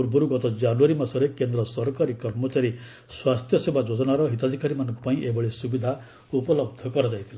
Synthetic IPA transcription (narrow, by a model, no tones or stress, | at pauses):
uɾbʱuɾuɡɔt̪ɔd͡ʒanuaɾimasɔɾekend̪ɾɔsɔɾkaɾikɔɾmɔt͡ʃaɾi | swast̪ʰjɔsebʱad͡ʒod͡ʒɔnaɾɔɦit̪ad̪ʱikaɾimanɔŋkupaĩʔebɔɭesubid̪ʱa | upɔlɔb̚d̪ʱɔkɔɾɔd͡ʒajt̪ʰila